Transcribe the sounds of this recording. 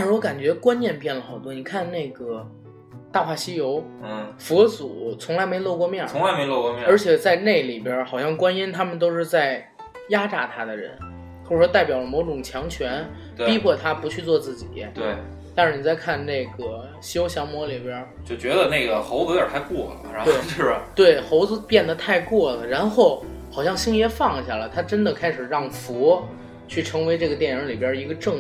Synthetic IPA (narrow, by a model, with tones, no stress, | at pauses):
a˧ʂɻ̩˥˩wɔ˧˥ka˨˩nt͡ɕɥɛ˧˥kwa˥nnjɛ˥˧npjɛ˥˩nlə˩xɑ˨˩ʊt̪wɔ˥ni˨˩kʰa˥˧nne˥˩ɪɡə˩ | t̪a˥˧pʰa˥˩ɕi˥jo˧˥ʊ˥˩fɔ˧˥t͡su˨˩t͡sʰʊ˧˥ŋla˧˥ɪme˧˥ɪ˥lwo˥˧ʊkwɔ˥˧mjɛ˥˩ʊ˧˥ŋla˧˥ɪme˧˥ɪlo˥˧kwɔ˥˧mjɛ˥˧ə˞˧˥t͡ɕʰjɛ˨˩t͡sa˥˧ɪne˥˩ɪli˨˩pjə˞˧˥xɑ˨˩ʊɕjɑ˥˩ŋkwa˥ni˥nt̪ʰa˥mə˨nt̪̬o˥ʊʂɻ̩˥˧t͡sa˥˩ɪ | ja˥ʈ͡ʂa˧˥t̪ʰa˥d̪ə˨ɻə̰˧˥n | xo˥˩˥ʂwɔ˥t̪a˥˩ɪpjɑ˨˩ʊlə˦˩mɔ˧˥ʊʈ͡ʂʊ˨˩ŋt͡ɕʰjɑ˧˥ŋt͡ɕʰɥɛ˧˥n˧ | pi˧˥pʰwɔ˥˧˩t̪ʰa˥pu˧˥t͡ɕʰy˥˧t͡swɔ˥˧t͡sɹ̩˥˩t͡ɕḭ˨˩˦t̪we˥˩ɪ | t̪a˥˧nʂɻ̩˥˩ni˨˩t͡sa˥˧ɪkʰa˥˧nne˥˩ɪɡə˩ | ɕjo˥ʊɕjɑ˧˥ŋmwɔ˧˥li˨˩pjə˞˧˥ | t͡ɕjo˥˩ʊt͡ɕɥɛ˧˥d̪ə˧ne˥˩ɪɡə˩xo˧˥ʊt͡sɤ˧˥jə˞˨˩tʰa˧˥ɪkwɔ˥˩lə̰˩˧˥t̪we˥˩ɪ˥˩t̪we˥˩ɪxo˧˥ʊd͡zɹ̩˧pjɛ˥˩nd̪ə˩t̪ʰa˥˧ɪkwɔ˥˩lə˩ɻa˧˥nxo˥˩ʊ | xɑ˨˩ʊɕjɑ˥˧ŋɕi˥ŋjɛ˥fɑ˥˧˩ŋi˧˥ɕja˥˩lə̰˨˩ɪt̪ʰa˥ʈ͡ʂə˥nd̪ə˨kʰa˥ɪʂɻ̩˨˩ɻɑ˥˩ŋfu˧˥ | t͡ɕʰy˥˩ʈ͡ʂʰɤ˧˥ŋwe˧˥ɪʈ͡ʂɤ˥˩ɡə˩t̪̬jɛ˥˩nɻə˧˥li˨˩pbjə˞˧˥˧i˧˥ɡə˧ʈ͡ʂɤ˥˩ŋ